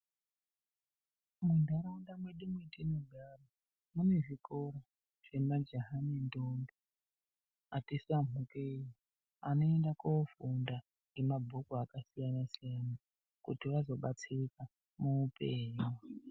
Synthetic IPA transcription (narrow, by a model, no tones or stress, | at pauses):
mundʱaɾauɗamwe̞ɗimwetinoɡʱara | mune̞ʐikoɾo | ʐ̥emad͡ʒeɦanindondo | atisamukeji | ano̞endakofunda | ŋɡemabʱokoakasijanasijana | kutiʋazo̞ɓat͡sika | muːpeːɲu